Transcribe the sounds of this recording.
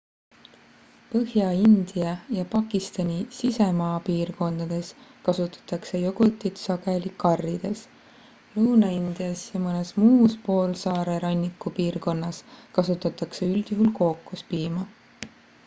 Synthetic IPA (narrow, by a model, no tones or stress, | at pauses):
pɤhjɑind̪̥ijɑjɑpɑkˑist̪ɑnʲisise̞mɑːpiːrko̞nd̪̥ɑd̪̥e̞skɑsut̪ːˑɑ̥t̪ːˑɑkse̞joɡ̥ut̪ːˑit̪sɑɡelʲikɑrːid̪̥e̞s | luːnɑind̪̥ijɑsjɑmɤne̞smuːspo̞ːlsɑːɾe̞ɾɑnʲːikːupiːrko̞nːɑskɑsut̪ːˑɑt̪ːˑɑkse̞yld̪̥juɦulko̞ːkːˑuspiːmɑ